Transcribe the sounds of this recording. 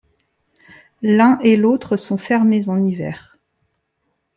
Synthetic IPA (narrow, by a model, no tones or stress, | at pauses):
lɛ̃ʔelot̪χəsɔ̃fɛʁmezɑ̃nivɛ̰ːʁ